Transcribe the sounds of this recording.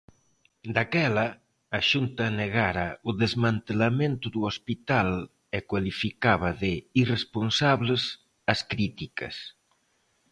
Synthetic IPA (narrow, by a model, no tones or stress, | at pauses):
d̪akɛlɐː | ʃunt̪ɐneɣaɾauðezmant̪elamẽnt̪uðuospit̪al | ekwalifikaβɐðeiresponsaβles | askɾit̪ikɐ̰s